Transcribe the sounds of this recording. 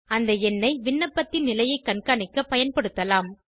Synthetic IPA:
ɐnd̪ɐɛnːɐɪʋɪɳːɐpːɐt̪ːɪnːɪlɐjɐɪkːɐɳkaːɳɪkːɐpːɐjɐnpɐɽɯt̪ːɐlaːm

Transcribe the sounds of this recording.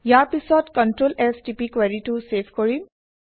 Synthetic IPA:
jaɹpisɔtkɔntɹolɛstipikwaɹitusepʰkoɹim

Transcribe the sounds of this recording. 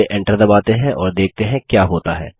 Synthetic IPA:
eʔɪ̃ɳʈəɾd̪ɐbaːt̪eɦɛ̃ʔɔːɾd̪eːk̚ʰt̪eɦɛ̃kjaːɦoːt̪aɦɛ̰ː

